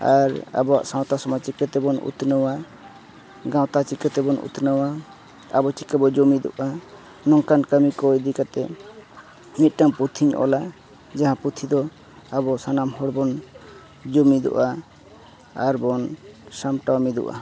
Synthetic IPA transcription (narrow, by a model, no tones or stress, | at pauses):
aɾa̰bɔa̰ʔsãw̃t̪asɔmat͡ʃikət̪ɛbɔnṵt̪nəwa | ɡãwt̪at͡ʃikət̪ɛbɔnṵt̪nəwa | a̰bɔt͡ʃikəbɔd͡ʒomid̪ɔ̰ʔa | nɔŋkankəmikɔjd̪ikat̪ɛ | nit̪̚ˀʈaŋput̪ʰiɲɔ̰la | d͡ʒaɦãput̪ʰid̪ɔ | abɔsanamhɔɽbɔn | d͡ʒomid̪ṵʔa | ɾbɔnsamʈawmid̪ṵʔa̰